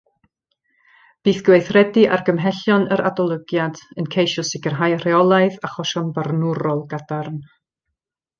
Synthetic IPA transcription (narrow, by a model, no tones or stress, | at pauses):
b̥iːθɡ̥wejθrɛdiʔarɡəmɦɛɬjɔnəɾʔa̰dɔlˠəɡjadənkʰejʃɔsɪɡərɦajr̥ɛɔlˠajðaχɔʃɔnbarnʊɾɔlˠɡadarn